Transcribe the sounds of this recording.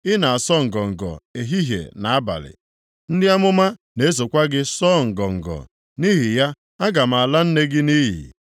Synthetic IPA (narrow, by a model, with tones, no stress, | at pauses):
ɪ˦na˨a˨sɔ˦ŋ̩˨ɡɔ˨ŋ̩˨ɡɔ̰˨e˨ɦi˦ɦjḛ˨na˨a˦ba̰˨lɪ̰˨ | n̩˦dɪ˦a˦mʊ˦ma˦ | ne˦e˦s̬o˨kʷa˦ɡɪ˦sɔ˦ŋ̩˨ɡɔ˨ŋ̩˨ɡɔ̰˨ | ni˦ɦi˨ja˦ | a˦ɡa˨m̩˨a˨la˦n̩˦ne˦ɡɪ˦ni˦ɦḭ˨